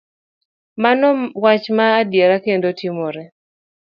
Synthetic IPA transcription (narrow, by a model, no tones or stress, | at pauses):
manɔwat͡ʃmaːdjeɾakendotimoɾɛ